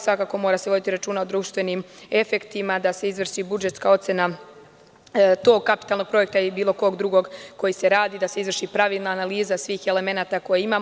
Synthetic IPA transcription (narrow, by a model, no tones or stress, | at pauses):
sʋakaːko̞mo̞ːɾaseʋo̞d̪it̪iɾat͡ʃuːnaod̪ɾuːʃt̪ʋe̞nime̞fe̞kt̪imad̪ase̞izʋr̩ʃibud͡ʒe̞t̪skao̞t̪se̞na | t̪o̞ːɡ̚kapi̥t̪alˠno̞ɡ̚pɾo̞je̞k̚t̪aibiːlo̞ko̞ɡd̪ɾuɡo̞ɡko̞jise̞ɾaːd̪iːd̪ase̞izʋrʃipɾaʋiːlˠnaːnaliːzasʋiːxe̞le̞me̞naːt̪ako̞jeimaːm